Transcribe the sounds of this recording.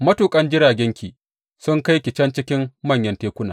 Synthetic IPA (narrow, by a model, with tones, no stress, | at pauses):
mɐ˦tuː˨kʼɐ˦nd͡ʒɪ˦ɾaː˨ɡʲɛ˦ŋkʲiː˨ | sʊ˦ŋka˦jkʲɪ˨t͡ʃɐ˦nt͡ʃɪ˦kʲɪ˦mmɐ˦˨ɲjɐ˦nteː˦kʷʊ˦naː˨